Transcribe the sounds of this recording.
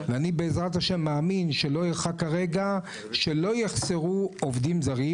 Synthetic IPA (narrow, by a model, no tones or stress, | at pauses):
veanibeːzʁat̪haʃe̞mːaːminʃelo̞jeχakaʁe̞ɡa | ʃe̞lo̞jeχseʁuovd̪imzaʁi